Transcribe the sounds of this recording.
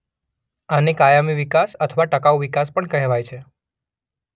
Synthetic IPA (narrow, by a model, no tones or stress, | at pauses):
anekajamiʋikasət̪ʰəʋaʈəkaʋʋikaspəɳkəɦeʋajt͡ʃʰe